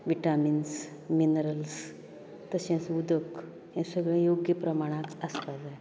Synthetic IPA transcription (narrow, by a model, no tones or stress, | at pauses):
ʋiʈamins | minəɾəls | t̪əsãsud̪ək | jãsəɡɭẽjoɡjəpɾɐmaɽ̃akaspad̪e